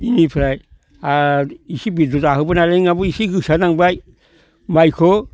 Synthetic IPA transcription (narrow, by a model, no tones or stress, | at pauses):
inipʰɾaj | aisibidutaɦubunaleŋabuisiɡusadaŋbaj | majkʰo